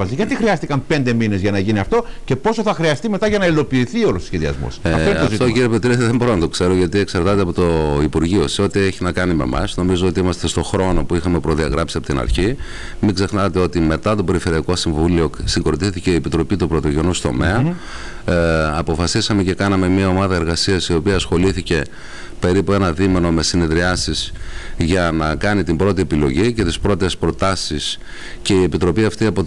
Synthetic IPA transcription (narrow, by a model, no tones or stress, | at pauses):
ɐsiʝɐt̪ixɾiɐst̪ikɐmpe̞nd̪e̞mine̞zʝɐnɐʝiniɐft̪o̞ce̞po̞soθɐxɾiɐst̪ime̞t̪ɐʝɐnɐilo̞piːθio̞lososçe̞ðiɐ̰zmo̰sɐtoinɐofit̪oiɾiepet̪iɾeeðembo̞ɾonɐt̪o̞kse̞ɾo̞ʝɐt̪ieksɐɾt̪ɐt̪eɐpot̪oipuɾʝio̞seo̞t̪ie̞çinɐkɐnime̞̰mɐ̰sno̞mizoo̞t̪iimɐst̪e̞st̪o̞xɾo̞no̞puixɐme̞pɾo̞ðiɐɣɾɐpsiɐpot̪inɐ̰ɾçi | miɡze̞xnɐt̪e̞o̞t̪ime̞t̪ɐt̪ope̞ɾife̞ɾiɐko̞siɱvulio̞siŋɡoɾot̪iθice̞iepit̪ɾo̞pit̪upɾo̞t̪o̞ʝenust̪o̞̰me̞ɐ | ɐpo̞fɐsisɐme̞ce̞kɐnɐme̞mɲiɐo̞mɐðɐe̞ɾɣɐsiɐsio̞piɐːsxo̞liθice̞ | pe̞ɾipue̞nɐðime̞no̞me̞sine̞ðɾiɐsisʝɐnɐkɐnit̪imbɾo̞t̪ie̞pilo̞ʝice̞t̪ispɾot̪espɾo̞t̪ɐsis | ce̞iepit̪ɾo̞piɐft̪iɐpo